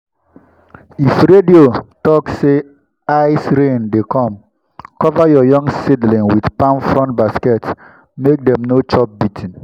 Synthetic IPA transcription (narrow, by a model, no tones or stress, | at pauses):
ifɾediotɔksse | aɪsɾẽndekɔ̃m | kɔvajɔjɔ̃ŋɡsidlĩŋwidpãnfɹɔ̃ntbaskɛts | mek̚dɛ̃mnot͡ʃɔp̚bitʰĩn